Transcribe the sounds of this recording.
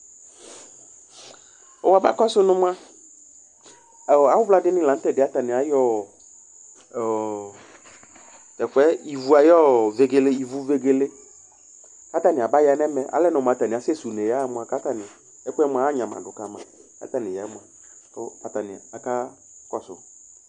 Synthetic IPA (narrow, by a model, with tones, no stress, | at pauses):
ɔ˨wa˨ba̰˦kɔ˦sʊ˦nʊ̃˦mʊ˦a˦˨ | a˨˦wʊ˦vla˦dɪ˦nɪ̃˦lã˨˦tɛ˨dɪ˨a˦ta˨nɪ̃˨a˨jɔ˦˨ | t̪ɛ˨kʷɛ˦i˨vu˨˦a˨jɔ˦˨ve˨ɡe˨le˦i˨vu˨˦ve˨ɡe˨le˦ | ka˦t̪a˦nɪ̃˨a˨ba˦ja˨˦nɛ˦mɛ˦ʔa̰˦lɛ˦nʊ̃˨m˨a˨ta˨nɪ̃˨a˨sɛ˦su˨ne˨ja˦mʊ˨˦a˨ka˦ta˨nɪ˨ | ɛ˦kɛ˦mʷ˧˨a˨˦a˦ɲã˨ma̰˨dʊ˨ka˨mã˨ka̰˦t̪a˦˨nɪ̃˨jɛ˨˦mʊ˦a˨ | kʊ˦a˨ta˨nɪ̰˨a˨ka˦ | kɔ˦sʊ̰˨